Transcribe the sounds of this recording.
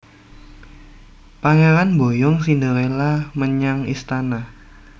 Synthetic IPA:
paŋeɾanmbojɔŋsind̪əɾelaməɲaŋist̪ana

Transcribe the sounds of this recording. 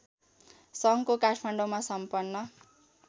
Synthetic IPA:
sʌŋkokaʈʰmaɳɖomasʌmpʌnːʌ

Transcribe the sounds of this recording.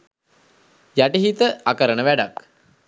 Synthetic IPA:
jæʈiɦit̪əakəɾənəʋæɖak

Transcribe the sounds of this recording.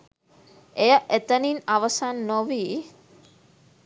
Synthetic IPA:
ejəʔet̪əninaʋəsanːoʋiː

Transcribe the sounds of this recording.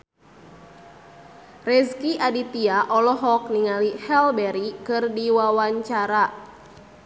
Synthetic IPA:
rɛskiʔadit̪iaʔɔlɔɦɔk̚niŋalihɛlbɛɾikɨrdiwawaɲt͡ʃaɾa

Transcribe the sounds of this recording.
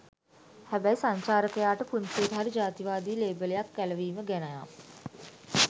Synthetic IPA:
hæbæjsaɲt͡ʃaːɾəkəjaːʈəpunsiət̪əɦaɾid͡ʒaːt̪iʋaːd̪iːleːbəlejakːæləʋiːməɡænaja

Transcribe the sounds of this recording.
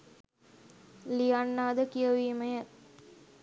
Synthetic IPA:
lijanːaːd̪əkijəʋiːmɐjə

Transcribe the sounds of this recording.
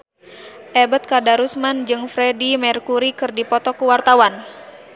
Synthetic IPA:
ʔɛbət̪̚kadaɾusmand͡ʒɨŋfɾɛdimɛrkuɾikɨrdipɔt̪ɔkuwart̪awan

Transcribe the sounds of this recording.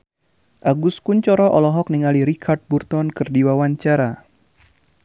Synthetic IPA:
ʔaɡuskuɲt͡ʃɔɾɔʔɔlɔɦɔk̚niŋaliɾikʰard̪̚burt̪ɔnkɨrdiwawaɲt͡ʃaɾa

